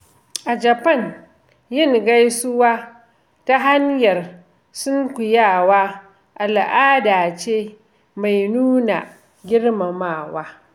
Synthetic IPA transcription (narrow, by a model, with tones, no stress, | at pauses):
ʔa˨d͡ʒa˨pɐ˦˨n | jɪ˦˨ŋɡa˦jsʊ˦waː˦ | ta˦ɦa˦ɲjɐ˨r | sʊ˦ŋkʷʊ˨jaː˦˨waː˦ | ʔa˨lʔaː˦daː˨t͡ʃeː˦ | ma˨jnuː˦na̰˨ | ɡʲɪ˦rma˨maː˦˨waː˦